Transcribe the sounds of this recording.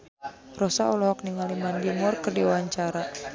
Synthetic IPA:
rɔsaɔlɔɦɔk̚niŋalimanɡimʊrkərdiawaɲt͡ʃaɾa

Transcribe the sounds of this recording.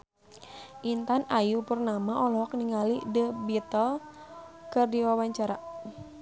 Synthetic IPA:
ʔint̪anajupərnamaʔɔlɔɦɔk̚niŋalidəbit̪ɔl | kɨrdiwawaɲt͡ʃaɾa

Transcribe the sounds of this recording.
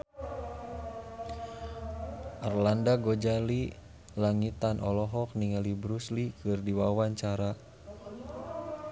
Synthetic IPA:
ʔarlandaɡod͡ʒali | laŋit̪anʔɔlɔɦɔk̚niŋalibɾuslikɨrdiwawaɲt͡ʃaɾa

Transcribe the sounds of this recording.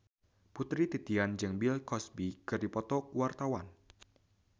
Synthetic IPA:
put̪ɾit̪it̪iand͡ʒəŋbilkɔsbikɨrdipɔt̪ɔkuwart̪awan

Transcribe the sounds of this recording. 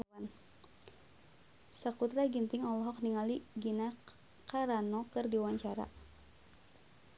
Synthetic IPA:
an | sakut̪ɾaɡint̪ɪŋɔlɔɦɔk̚niŋaliɡina | kaɾanɔkɨrdiwaɲt͡ʃaɾa̰

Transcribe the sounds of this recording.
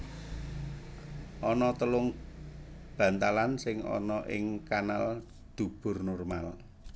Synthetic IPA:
ʔɔnɔt̪əlʊŋ | b̥ä̤nt̪alansɪŋɔ̰nɔʔɪ̰ŋkanal | d̪̥ṳb̥ʊ̤rnɔrmal

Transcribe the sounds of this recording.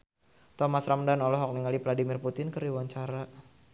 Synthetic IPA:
t̪ɔmasramdanɔlɔɦɔk̚niŋalipladimɪrput̪ɪnkəriwaɲt͡ʃaɾa

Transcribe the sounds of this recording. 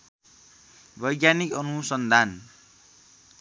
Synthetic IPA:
bʱʌjɡjanikʌnusʌnd̪ʱan

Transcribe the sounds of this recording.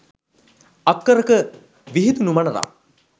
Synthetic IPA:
akːəɾəkə | ʋiɦit̪unumɐnəɾa̰

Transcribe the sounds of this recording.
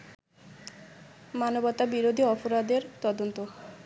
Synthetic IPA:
manobɔt̪ːabiɾod̪ʱiɔpoɾad̪eɾt̪ɔd̪ont̪o

